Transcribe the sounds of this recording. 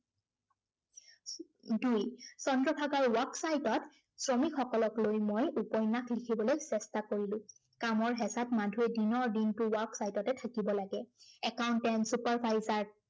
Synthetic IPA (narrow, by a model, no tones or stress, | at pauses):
dujsɔntɹɔtʰaɡaɹwaksajtɔt | sɹɔmikxɔkɔlɔklojmojupɔjnaklikʰibɔlojsɛstakoɹilʊ̃ | kamɔɹɦɛsatmadʱuɛdinɔɹdintʊwaksajtɔtɛtʰakibɔlaɡɛɛkawntɛnsupaɹpajzaɹ